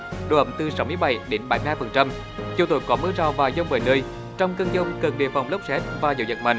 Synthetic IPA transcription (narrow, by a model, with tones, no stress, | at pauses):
ɗo̰˧˩ʔə̰˧˨˩ŋ͡mt̪ɨ˨sa˨˦wmɨ˧əjɓa˧˩jɗe˨˦nɓa˨˩˦jmi˧haː˧jfə˨˩nt͡ɕa˧m | t͡ɕi˧t̪o̰˨˧˩jkɔ˨˦mɨ˧əzaː˧˩wvaː˨˩zə˧wŋ͡mməː˨˩jnəː˧j | t͡ɕɔ˧wŋ͡mkə˧nzə˧wŋ͡mkə˨˩nɗḭ˨˩fa˨˩wŋ͡mlə˦˥p̚sɛ˦˥t̚vaː˨˩zə̰˧˦wzə̰˨˩t̚ma̰˨˩ŋ